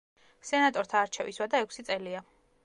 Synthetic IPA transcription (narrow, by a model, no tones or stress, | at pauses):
sɛnat̪ʼɔɾt̪ʰaːɾt͡ʃʰɛvḭswad̪aɛkʰsit̪sʼɛlia